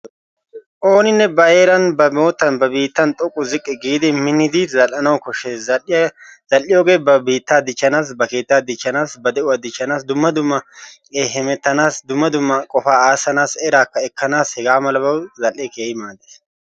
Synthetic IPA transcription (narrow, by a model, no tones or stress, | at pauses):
ʔoːnɪnːɛbɐjeːɾɐnbɐmo̞ːt̪ːɐnbɐbiːt̪ːɐnt̪ʼɔkʼːʊzɪkʼːɪɡiːd̪ɪmɪnːɪd̪ɪzɐlʔɐnɐwkɔʃːɛ | z̥ɐlːɪjoːɡe̞ːbɐbiːt̪ːaːd̪ɪt͡ʃːɐnaːs̬bɐke̞ːt̪ːaːd̪ɪt͡ʃːɐnaːsbɐd̪ɛʔʊwɐd̪ɪt͡ʃːɐnaːsd̪ʊmːɐd̪ʊmːɐ | eːɦɛmɛt̪ːɐnaːsd̪ʊmːɐd̪ʊmːɐkʼɔfaːaːsɐnaːsɛɾaːkːɐɛkːɐnaːshɛɡaːmɐlɐbɐwzɐlʔɛkeːhɪmaːd̪e